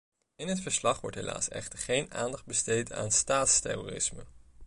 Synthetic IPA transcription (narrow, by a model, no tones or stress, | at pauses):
ɪnɦətfəɹslɑχʋɔ̰ɹtɦḛla̰ːsɛ̰χtəɹχejna̰ːndɑχd̚bəstejta̰ːnstaːtstɛ̰roːrɪ̰smə̰